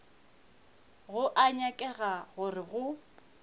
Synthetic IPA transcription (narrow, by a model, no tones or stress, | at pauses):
ɣʊʔaɲɛkʼɛɣaɣʊrɪɣʊ